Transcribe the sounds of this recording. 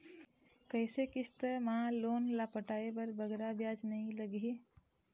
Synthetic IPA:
kəɪsekɪst̪əmãloːnlaːpəʈaːebəɾbəɡɾabjaːd͡ʒnɐɦĩləɡɦi

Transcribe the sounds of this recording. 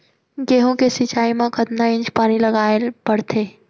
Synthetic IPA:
ɡeːɦõkesɪt͡ʃaːimãkət̪naɪ̃ɲd͡ʒpaːnilɐɡaːelbɐɽt̪ʰeː

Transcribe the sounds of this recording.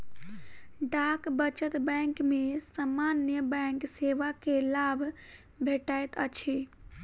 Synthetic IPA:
ɖakbət͡ʃət̪bɛŋkmesamanjəbɛŋkseʋakelabʱ | bʱeʈajt̪ət͡ʃʰi

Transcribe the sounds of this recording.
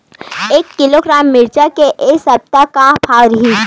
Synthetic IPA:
eːkːɪloɡɾaːmːɪɾd͡ʒakeʔesɐb̚t̪akapʰaːɾɦi

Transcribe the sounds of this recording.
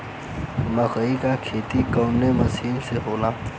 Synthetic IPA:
mɐxikakʰeːt̪ikoːmnemɐsiːmseɦoːlaː

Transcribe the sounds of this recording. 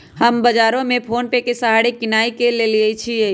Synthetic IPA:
həmbəd͡ʒaːɾõmẽpʰoːnpekesəɦaɽikɪnaːikeleliət͡ʃʰie

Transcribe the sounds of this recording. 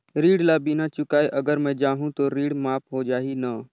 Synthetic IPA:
ɾiːɽlaːbinat͡ʃʊkaːeʔɐɡəɾmɛ̃d͡ʒaːɦũt̪oɾiːɽmaːpɦod͡ʒaːɦina

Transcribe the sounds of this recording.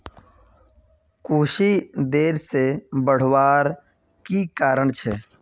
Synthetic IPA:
kuːʃid̪eːɾsebəɽ̤waːɾ | kikaːɾəɳ̃t͡ʃʰɛː

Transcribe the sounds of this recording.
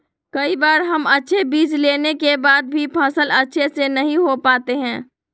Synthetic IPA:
kɐibaːɾɦɐmɐtːʃʰebiːd͡ʒleːnekebaːd̪̚bʱipʰaːsəlɐtːʃʰesenɐɦĩɦopaːt̪eɦɛ̃ː

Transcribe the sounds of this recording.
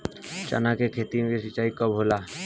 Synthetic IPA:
t͡ʃa̰nakekʰet̪ikesit͡ʃaikɔbɦola

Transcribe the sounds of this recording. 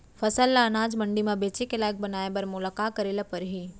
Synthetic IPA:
fʰɐsəlːanaːd͡ʒmə̃ɳɖimãbeːt͡ʃekelaːjək̚bənaːebɐɾmʊlakaːkəɾeːlapɐɾɦiː

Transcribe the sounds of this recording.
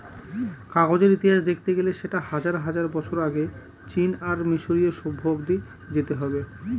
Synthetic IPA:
kaɡod͡ʑeɾit̪iɦaʃd̪ek̚ʰt̪eɡeleʃeʈahad͡ʑaɾɦad͡ʑaɾbɔt͡ɕʰoɾaɡe | t͡ɕinaɾmiʃoɾieʃobʱːobd̪i | d͡ʑet̪eɦɔbe

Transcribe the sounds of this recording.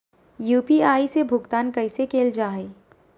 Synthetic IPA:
juːpiaːisebʱʊɡt̪aːnkɐɪsekeːld͡ʒaːɦeː

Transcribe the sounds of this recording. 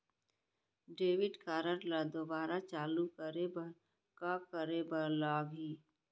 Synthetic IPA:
ɖeːʋɪɖkaːɾəɾləd̪obaːɾat͡ʃaːlukəɾeb | kakəɾebəɾlaːɡɦiː

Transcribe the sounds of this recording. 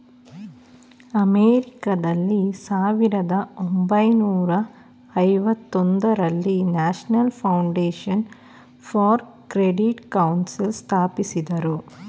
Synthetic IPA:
ɐmeːɾikɐd̪ɐlːisaːʋiɾɐd̪ɐombɐjnuːɾɐ | ɐjʋɐt̪ːond̪ɐɾɐlːinaːʃnɐlpʰɐwɳɖeːʂɐn | fʰɐːɾ | kɾeɖiʈkɐwnsilst̪ʰaːpisid̪ɐɾu

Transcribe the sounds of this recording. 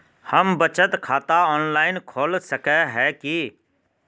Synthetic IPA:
həmbət͡ʃət̪kʰaːt̪aɔːnlaːɪnkʰoːlsəkɛɦɛːki

